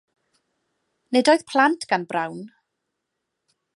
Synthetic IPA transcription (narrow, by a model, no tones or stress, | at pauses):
nedoɨðpʰlˠantʰɡ̥anbrawn